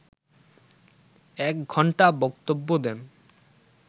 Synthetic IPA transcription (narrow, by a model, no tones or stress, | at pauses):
ɛkɡʱɔɳʈabɔkt̪obːod̪ɛn